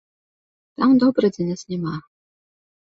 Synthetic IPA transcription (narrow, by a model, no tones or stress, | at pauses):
t̪amd̪ɔbɾɐd͡zʲɛnʲɛsnʲɛma